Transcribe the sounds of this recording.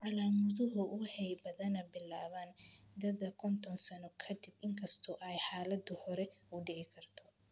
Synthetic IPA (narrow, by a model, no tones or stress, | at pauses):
ʕɑlaːmʊðʊɦʊwɑħɑjbɐðɐnɐbɪlaːβaːnd̪ɐðɐkʰɔnt̪ʰɔnsɐnɔkʰɐd̪ɪbɪŋkʰɐst̪ʰɔʔɛjħaːlɐd̪ʊhɔɾɛʊɖɪʕɪkʰɐrt̪ʰɔ̥